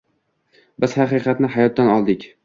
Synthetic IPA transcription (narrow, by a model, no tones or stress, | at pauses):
bɪz̥hɑqɨːqɑt̪nɪɦajɒt̪̚ːanɒlˠd̪ɪkʲ